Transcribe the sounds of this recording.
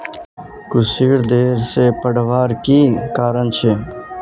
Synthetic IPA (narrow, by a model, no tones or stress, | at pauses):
kʊsiːɽd̪eːɾseːpəɽʋaːɾkiːkaːɾənt͡ʃʰeː